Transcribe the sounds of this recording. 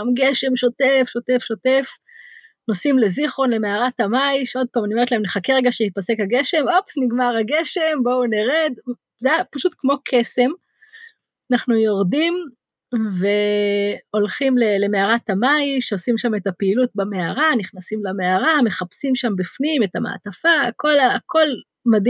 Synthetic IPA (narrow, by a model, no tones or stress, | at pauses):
amɡeʃe̞mʃo̞tefʃo̞te̞fʃo̞te̞f | nosimle̞ziχo̞nle̞meaʁatamajʃeo̞d̚paːmanioe̞tlaemneχakeʁeɡaʃehipase̞khaɡe̞ʃe̞mopsniɡmaʁaɡe̞ʃe̞mbo̞uneʁed̪ | zeapaʃutkmo̞kʰe̞se̞m | naχnujo̞ʁdim | ve̞ | o̞lχimlele̞me̞aʁatamajiʃeosimʃame̞tapeilut̚bameaʁaniχnasimlameaʁame̞χapsimʃambifnime̞tama̰ːtafaːko̞laakʰo̞l | mad